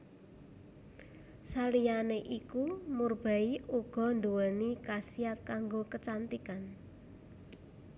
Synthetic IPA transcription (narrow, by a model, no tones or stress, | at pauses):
salijaneʔikumurb̥a̤iuɡ̥ɔ̤nd̪uwənikasijat̪̚kaŋɡokət͡ʃant̪ikan